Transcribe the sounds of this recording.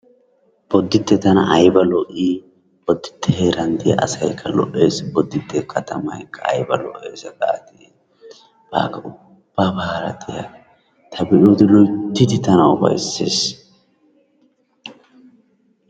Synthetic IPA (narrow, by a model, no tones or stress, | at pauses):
b̥ɔd̪ːɪt̪ːɛt̪ɐnɐ̰ʔɐjbɐlɔʔiː | b̥ɔd̪ːɪ̥t̪ʰːɛheːɾɐnd̪ɪja̰ʔɐ̰sɐjkʰːɐlɔ̰ʔeːsbɔd̪ːɪt̪ːɛkʰɐt̪ɐmɐ̰jkʰːɐɐ̰jbɐlɔʔeːsɐɡaːt̪ɪ | b̥a̰ːkːɐʊ | b̥ːaːbɐhaɾɐt̪ɪja̰ | t̪ʰɐbɛʔoːd̪ɪlɔjt̪ːɪt̪ɪt̪ɐnɐwbɐ̰jsːe̞̰ːs